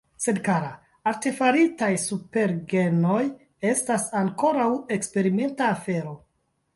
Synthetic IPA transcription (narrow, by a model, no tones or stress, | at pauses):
se̞dkaɾa | aɾtefaɾitajsupe̞ɾɡe̞no̞j | e̞stasaŋko̞ɾawe̞kspe̞ɾime̞ntaːfe̞ɾo̞